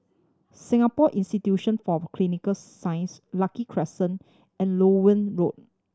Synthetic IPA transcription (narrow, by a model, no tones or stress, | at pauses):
sĩŋapɔʔĩnstitjuʃə̃nfɔkʰlinikəlsːãj̃nslakikʰɹɛsə̃n | ɛ̃nlowə̃nɹot̚